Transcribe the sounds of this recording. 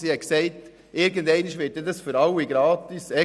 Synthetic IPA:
siɛksɛɪt | ɪɾɡəndɛɪniʃʋɪːt̚dɛdɑsføɾɑliɡɾɑːtisɛ

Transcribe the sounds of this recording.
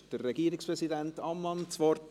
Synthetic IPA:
d̥ərːɛɡiːəɾɪkspɾɛsidæntɑmːɑnt͡sʋɔr

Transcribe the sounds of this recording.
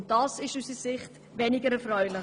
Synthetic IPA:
t̚d̥ɑːsɪʃysisɪχt | vɛnɪɡəɾɛfɾœʏlɪ

